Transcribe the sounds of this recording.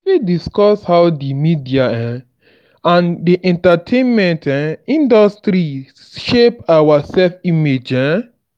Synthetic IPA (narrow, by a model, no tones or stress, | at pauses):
idiskɔshawdimidiaɛ̃ | ãndiʔɛ̃ntatʰẽnmɛ̃ntɛ̃ĩndɔstɾi | ʃepawasɛlfimed͡ʒɛ̃